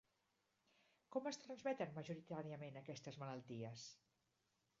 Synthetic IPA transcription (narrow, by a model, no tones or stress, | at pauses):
kɔməst̪ɾənzmɛt̪ənməʒuɾit̪aɾiəmenəkɛst̪əzmələlˠt̪iəs